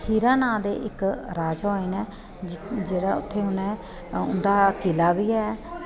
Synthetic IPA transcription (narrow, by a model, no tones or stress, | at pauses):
hiːɾãːnãːd̪ḛːʔɪkɾaːd͡ʒɦoːiːnɛː | d͡ʒeːɽaːʊ̰t̪ʰːeːɦʊnɛ̃ː | ʊ̰nd̪aːkɪlaːbiːɛː